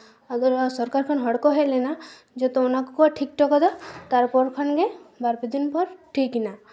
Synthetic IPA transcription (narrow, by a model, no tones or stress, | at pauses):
aɡɔɾsɔɾkaɾkʰɔnɦɔɽkɔɦelɛna | d͡ʒɔt̪ɔɔnakɔkuaʈʰik̚ʈɔkɔd̪ɔt̪aɾpɔɾkʰanɡebaɾpid̪inpɔɾʈʰikina